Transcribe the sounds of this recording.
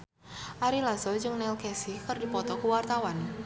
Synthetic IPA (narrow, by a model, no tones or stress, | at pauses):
ʔaɾilasɔd͡ʒɨŋnɛlkɛsikərdipɔt̪ɔkəwart̪awan